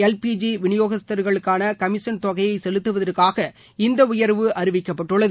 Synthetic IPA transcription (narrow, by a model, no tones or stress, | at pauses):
ɛlpiːd͡ʒiʋɪɳɪjoːɣɐst̪ːɐɾɣɐɭɯkːaːnɐkɐmɪʂɐnt̪ɔɣɐjɐɪsɛlɯt̪ːɯʋɐðɐɾkaːɣɐ | ɪnd̪ɐʊjɐɾʋɯʔɐɾɪʋɪkːɐpːɐʈːɯɭːɐð